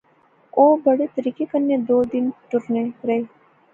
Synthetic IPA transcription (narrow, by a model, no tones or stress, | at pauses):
oːbɐɽet̪ɐɾiːkekɐɾnːed̪oːd̪ɪnʈʊɾneɾɐɦeː